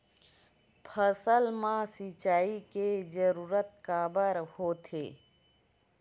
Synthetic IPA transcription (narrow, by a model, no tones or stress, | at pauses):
pʰəsəlmãsit͡ʃaːiked͡ʒəɾuːɾət̪̚kaːbəɾhot̪ʰḛː